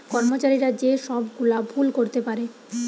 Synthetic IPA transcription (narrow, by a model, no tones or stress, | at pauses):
kɔɾmot͡ɕaɾiɾad͡ʑeʃɔbɡulabʱulkoɾt̪epaɾe